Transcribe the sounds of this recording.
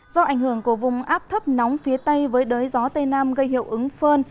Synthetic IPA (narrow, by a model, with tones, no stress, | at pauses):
zɔ˧ʔa˧˩jŋ̟hɨ˧˩əŋku˧˩əvʊ˨˩ŋ͡mʔaː˦˥p̚t̪ʰə˦˥p̚nɔ˨˦wŋ͡mfi˨˦ət̪ə˧jvəː˨˦jɗəː˨˦jzɔ˨˦t̪e˧naː˧mɣə˧jɦḭ˧˨əwʔɨ˨˦ŋfəː˧n